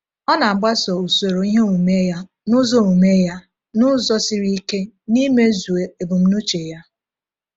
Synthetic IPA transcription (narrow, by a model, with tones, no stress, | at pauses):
ɔ˦na˨ŋ͡m̩˨ɡ͡ba˦sɔ˨u˨so˨ɾo˨i˦ɦe˦ŋu˨me˦ja˦ | nʊ˦zɔ˦ŋu˨me˦ja˦ | nʊ˦zɔ˦si˦ɾi˦i˦ke˦ni˦me˦zu˨e˨e˨bu˨m̩˦no˦t͡ʃe˨ja˦